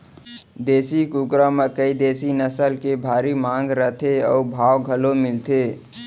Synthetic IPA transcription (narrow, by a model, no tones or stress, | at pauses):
d̪eːsikukɾəməkəid̪eːsinəsəlkebʱaːɾimãːŋɡɾət̪ʰeɔːbʱaːwɡʱəlomɪlt̪ʰeː